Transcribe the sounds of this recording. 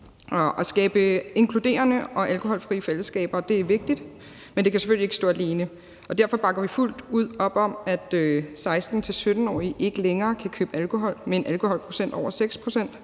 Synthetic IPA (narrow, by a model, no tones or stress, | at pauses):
ɒɒsɡ̥ɛːb̥əe̝ŋkʰlud̥e̝̰ːɐnəɒ̽ʔælkʰo̝hɒ̽lfʁiːəfel̰əsɡ̥ɛ̰ːb̥ɐd̥e̝æɐʋe̝ɡ̥̚d̥id̥ | mend̥e̝kʰæseføl̰lie̝ɡ̥sɔ̰ːæle̝ːnə | ɒ̽d̥æɐfɒ̽b̥ɑ̈ɡ̥ɐʋiful̰d̥uð̞̰ˠɒ̽b̥ɒ̽mæd̥øsɑ̈ɪsd̥n̩t͡sʰe̝lsød̥n̩ɒ̰ːiʔe̝ɡ̥əleŋɐːkʰækʰø̰ːb̥əælkʰo̝ɦɒ̽l̰meenʔælkʰo̝hɒ̽l̰pʰʁo̝sen̰d̥ɒʊ̰ɐseɡ̥spʰʁo̝sen̰d̥